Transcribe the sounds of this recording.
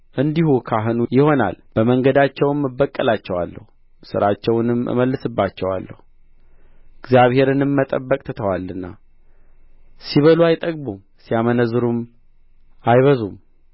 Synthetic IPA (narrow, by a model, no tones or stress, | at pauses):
ʔɨnd̪ihukʰaɦɨnujɪho̞na̰lb̥əməŋɡəd̪at͡ʃːɛwmːɨbːəkʼːəlat͡ʃːɛwa̰lːə̰hu | sɨ̰ɾat͡ʃːɛwnɨmːɨ̰məlːɨsɨbːat͡ʃːɛwa̰lːə̰hu | ɨɡzijaβhe̞ɾɨnɨmːət̪ʼəbːəkʼt̪ʰɨt̪ʰəwalːɨnːa̰ | siβəluajt̪ʼəɡbum | sijamənəzɨɾum | ajβəzum